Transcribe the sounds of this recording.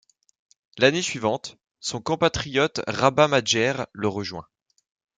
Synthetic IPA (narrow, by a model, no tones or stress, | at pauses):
lanesɥivɑ̃t̪ | sɔ̃kɔ̃pat̪χijɔt̪ʁabamad͡ʒɛʁləʁəʒwɛ̰̃